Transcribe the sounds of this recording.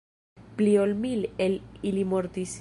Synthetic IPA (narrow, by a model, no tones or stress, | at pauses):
pliolmilelilimoɾt̪is